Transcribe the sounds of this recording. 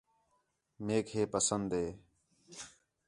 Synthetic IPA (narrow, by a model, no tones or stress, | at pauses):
meːkɦeːpəsənd̪ɦeː